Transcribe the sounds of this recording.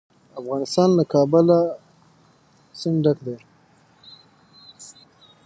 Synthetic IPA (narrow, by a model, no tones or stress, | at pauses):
afɣɑnɪst̪ɑnlakɑbəla | sɪnɖakd̪e